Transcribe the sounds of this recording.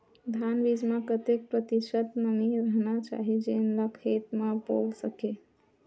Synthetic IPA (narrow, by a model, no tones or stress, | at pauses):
d̪ʱanbid͡ʒmãkət̪ek̚pɾət̪isət̪nəmiɾəɦnat͡ʃa̰ɦid͡ʒenlakʰet̪mãpolsəke